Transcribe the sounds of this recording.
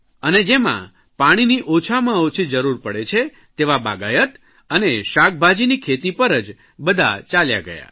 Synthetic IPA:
əned͡ʒemã̰ | paɽ̃iniʔot͡ʃʰamãot͡ʃʰid͡ʒəɾuɾpəɽet͡ʃʰe | t̪eʋaba̰ɡajət̪ | əneʃak̚bʱad͡ʒinikʰet̪ipəɾəd͡ʒ | bəd̪ʱa̰t͡ʃalja̰ɡə̰ja̰

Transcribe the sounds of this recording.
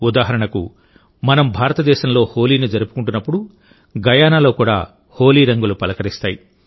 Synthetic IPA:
ud̪aːɦɐɾɐɳɐkṵ | mɐnɐmbʱaːɾɐt̪ɐd̪ɛːʃɐmlo̞ːho̞ːliːnid͡ʒɐɾupu̥kuɳʈunːɐpːuɽu | ɡɐjaːnaːlo̞ːkuːɽa̰ː | ho̞ːliːɾɐŋɡulupɐlɐkɐɾist̪aːji

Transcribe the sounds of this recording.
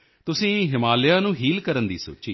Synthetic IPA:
t̪ʊsĩːɦɪmaːlɪjaːnũːɦiːlkəɾənd̪iːso̰ːt͡ʃiː

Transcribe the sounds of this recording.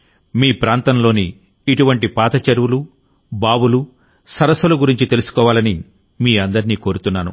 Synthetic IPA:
miːpɾaːnt̪ɐnlo̞ːniː | ʈuʋɐɳʈipaːt̪ɐt͡ʃɐɾʋulu | baːbulu | sɐɾɐsʋɐlɐɡuɾiɲt͡ʃit̪e̞lusu̥kɔːʋaːlɐni | miːɐnd̪ɐɾiniːko̞ːɾut̪unːaːnṵ

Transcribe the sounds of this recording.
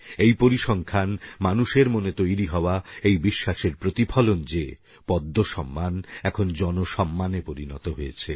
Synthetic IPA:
ejpoɾiʃɔŋkʰanmanuʃeɾmonet̪ojɾiɦɔoaejbiʃːaʃeɾpɾot̪ipʰɔlond͡ʑe | pɔd̪ːoʃɔmːanɛkʰond͡ʑɔnoʃɔmːanepoɾinɔt̪oɦojet͡ɕʰe

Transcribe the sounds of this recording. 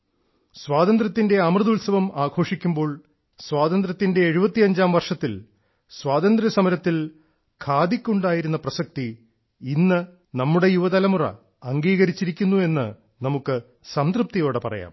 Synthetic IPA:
swaːd̪ɐnd̪ɾɐt̪ːinde̞ɐmrɨðulsɐʋɐmaːɡʰʱo̞ːʂikʲːumbo̞ːɭ | swaːðɐnd̪ɾɐt̪ːinde̞ːɻubɐt̪ːiɐɲd͡ʑaːmʋɐrʂɐt̪ːil | swaːd̪ɐnd̪ɾɐsɐmɐɾɐt̪ːil | kʰaːd̪ikʲːuɳɖaːjiɾunːɐprɐsɐk̚t̪i | inːɨ | nɐmːuɽe̞juʋɐðɐlɐmurɐ̰ː | ŋɡiːɣɐɾit͡ɕːiɾikʲːunːue̞nːɨ | nɐmukːɨ | sɐnd̪rɨp̚t̪ijo̞ːɽepɐrɐ̰ja̰ːm

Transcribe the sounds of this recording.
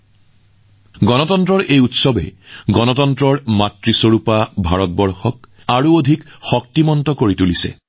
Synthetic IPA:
ɡɔnɔtɔntɹɔɹʔejutsɔbɛ̰ɡɔnɔtɔntɹɔɹmatɹisoɹupabʱaɹɔt̚bɔɹxɔk̚ | aɹuodʱikxɔk̚timɔntɔkoɹitulisɛ̰

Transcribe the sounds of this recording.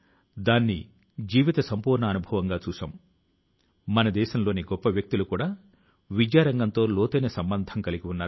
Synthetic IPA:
d̪aːnːi | d͡ʒiːʋit̪ɐsɐmpuːɾɳɐːnubʱɐʋɐŋɡaːt͡ʃuːsa̰ːm | mɐnɐd̪ɛːʃɐmlo̞ːniɡɔpːɐʋjɐk̚t̪ulukuːɽaː | ʋid͡ʒjaːɾɐŋɡɐnt̪o̞ːloːt̪ɐnɐsɐmbɐnd̪ʱɐmkɐliɡiunːaːɾ

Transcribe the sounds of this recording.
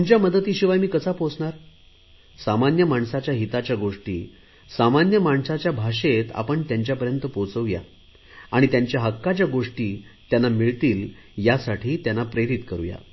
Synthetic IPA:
t̪uɲt͡ɕjaməd̪ət̪iːɕiʋajmiːkəsapot͡sɳaɾ | samanjəmaɳsat͡ɕjaɦit̪at͡ɕjaɡoʂʈḭː | samanjəmaɳsat͡ɕjabʱaɕet̪a̰pəɳt̪jaɲt͡ɕjapəɾjənt̪əpot͡səʋja̰ | aɽ̃it̪jaɲt͡ɕjaɦəkːat͡ɕjaɡoʂʈiːt̪janːamiɭt̪iːl | jasaʈʰiːt̪janːapɾeɾit̪kəɾṵja̰

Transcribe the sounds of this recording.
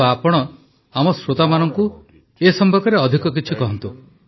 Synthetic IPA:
aapɔɽ̃ɔ | amɔsɾot̪amanɔŋku | esɔmbʱɔkɔɾeɔd̪ʱikɔk̬it͡ʃʰikɔɦɔnt̪u

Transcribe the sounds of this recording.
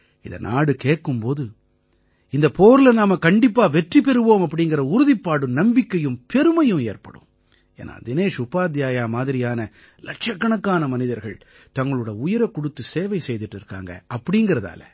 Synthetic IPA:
ɪðɐ̰na̰ːɽɯkeːʈkɯmpoːðɯ | ɪnd̪ɐpoːɾɪlɐnaːmɐkɐɳɖɪpːaːʋɛʈripɛɾɯʋoːmɐpːɐɽɪŋɡɪɾɐʊɾʊðɪpːaːɽɯmnɐmbɪkːɐjɯmpɛɾɯmɐjɯ̃meːɾpɐ̰ɽɯ̰m | ḛːnʔa̰ːd̪ɪneːʂʊpaːd̪jaːjaːmaːðɪɾɪjaːnɐ | lɐʈ̚t͡ʃɐkːɐɳɐkːaːnɐmɐnɪðɐɾɣɐɭ | t̪ɐŋɡɐɭɯɽɐʊjɐɾɐkːʊɽɯt̪ːɯseːʋɐɪsɛjðɪʈːɪɾɯkːa̰ːŋɡɐ̰ɐpːɐɽɪŋɡɪɾɐða̰ːlɐ̰

